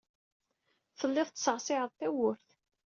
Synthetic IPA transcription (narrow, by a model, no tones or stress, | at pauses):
θəlːɪðˤt̪ːsəʁsɪʕəðˤθæwʊɾθ